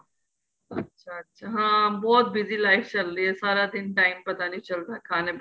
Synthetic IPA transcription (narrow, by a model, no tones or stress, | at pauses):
ɐtːʃʰaɐtːʃʰaɦãːbɔːt̪̚bɪzilaːɪkʰt͡ʃɐlɾiesaːɾad̪ɪnʈaːɪmpɐt̪anĩt͡ʃɐlt̪akʰaːnep